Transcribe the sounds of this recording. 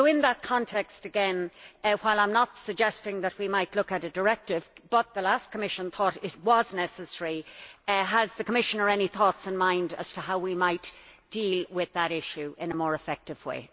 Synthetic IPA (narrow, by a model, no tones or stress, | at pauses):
oʊɪ̃nðət̚kʰɑ̃ntʰɛkstɨɡɛ̃nwaɪlˠãɪ̃mnətsɨɡ̚d͡ʒɛstɪ̃ŋðət̚wimaɪtˡlʊkɨɾɨdə˞ɛk̚tɪvb̥ʌt̪̚ðəlaskʰəmɪʃə̃nθɔɾɪt̚wʌznɛsɨsɛɹi | əzðɨkʰəmɪʃənə˞ɛniθɔtsɨ̃nmãɪ̃ndə̰z̥tʰəɦaʊwimaɪtd̥ilwɪðəɾɪʃʉʔɪ̃nəmɔːɹɨfɛk̚tɨv̥wḛɪ